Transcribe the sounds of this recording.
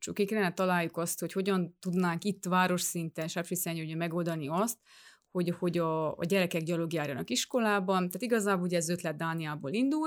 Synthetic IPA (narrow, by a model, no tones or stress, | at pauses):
t͡ʃukekɛlɛnːɛt̪ɒlaːjːukɒst̪ho̞cho̞ɟɒnt̪ud̪naːŋkit̪ːʋaːɾo̞ʃsint̪ɛnʃaʃisɛɲoɟɒmɛɡo̞ld̪ɒniɒst̪̚ | ho̞ɟho̞ɟɒ̰ːɟɛɾɛkɛɡɟɒloɡjaːɾjɒnɒkiʃko̞laːbɒnt̪aːt̪iɡɒzaːboluɟɛzø̞t̪lɛt̪̚d̪aːnijaːbo̰ːlind̪ul